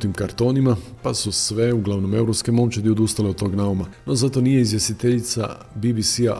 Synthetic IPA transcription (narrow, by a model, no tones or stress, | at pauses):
t̪imkaɾt̪o̞nimapasusʋe̞uɡlˠaʋno̞me̞uɾo̞pske̞mo̞mt͡ɕed̪iod̪ust̪aleod̪t̪o̞ɡnaumano̞zat̪o̞nije̞izʋje̞st̪it̪eʎit̪sa̰ | bibisia